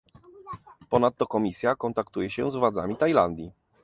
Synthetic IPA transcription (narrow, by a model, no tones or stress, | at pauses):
pɔnat̪ːɔkɔmʲisʲjakɔnt̪akt̪ujɛɕɛzvwad̪za̰mʲit̪ajland̪ʲji